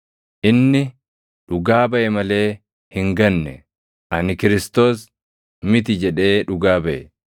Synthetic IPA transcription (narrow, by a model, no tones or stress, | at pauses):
ʔɪnːɪ | ᶑʊɡaːbɐʔɛmɐle̞ː | hɪŋɡɐnːɛ̰ | ʔɐnɪkɪɾɪst̪o̞ːs | mɪt̪̬ɪd͡ʒɛᶑe̞ːᶑʊɡaːbɐʔɛ